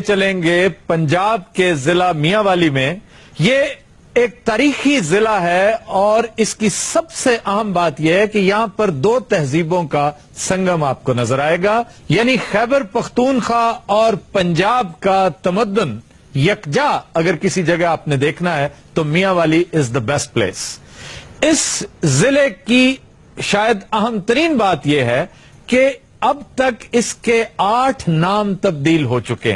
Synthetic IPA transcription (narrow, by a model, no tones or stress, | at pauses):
t͡ʃɐlẽːŋɡepɐ̃ɲd͡ʒaːb̚kezɪlamijaʋaːlimẽ | je | eːk̚t̪aːɾiːxizɪlaɦɛɔːɾɪskisɐbseʔɐɦə̃mbaːt̪jeɦɛkejɐɦãpɐɾd̪oːt̪ɛɦziːbõka | sɐ̃ŋɡəmaːp̚konɐzəɾaːeːɡaː | jaːnixɛːbəɾpɐxt̪uːnxaːɔːɾpɐ̃ɲd͡ʒaːb̚kat̪ɐməd̪ːʊn | jɐkd͡ʒaːɐɡəɾkɪsid͡ʒɐɡɛaːpned̪eːkʰnaɦɛt̪omijaʋaːliɪzd̪əbɛsʈ̚plḛːs | ɪszɪleki | ʃaːjəd̪ɐɦəmt̪ɐɾiːnbaːt̪jeɦɛ | ke | ɐbt̪ɐkɪskeaːʈʰnaːmt̪ɐb̚d̪iːlɦoːt͡ʃʊkḛ̃